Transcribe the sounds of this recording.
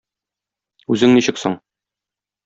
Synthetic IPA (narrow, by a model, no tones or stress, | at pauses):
ʉzɘŋniɕɘkso̰ɴ